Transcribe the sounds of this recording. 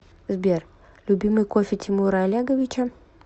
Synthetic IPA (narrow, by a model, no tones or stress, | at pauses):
zbʲer | lʲʊbʲimɨjkofʲɪt̪ʲɪmuɾɐːlʲaɡəvʲɪt͡ʃɐ